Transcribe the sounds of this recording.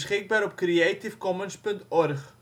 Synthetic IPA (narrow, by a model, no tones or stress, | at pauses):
sχɪk̚baːɾɔpkriatifkɔmənspɵntɔrχ